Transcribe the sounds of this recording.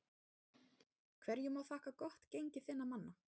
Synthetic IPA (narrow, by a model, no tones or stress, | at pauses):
kʰv̥ɛɾjʏmawθaːhkakɔht̪cejɲcɪθɪnːamanːa